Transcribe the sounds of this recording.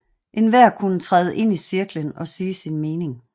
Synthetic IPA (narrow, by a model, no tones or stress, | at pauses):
ʔe̝nʋæɐ̰kʰunət͡sʰʁaðˠəʔe̝n̰isiɐɡ̥lənɒ̽siːsinme̝ːne̝ŋ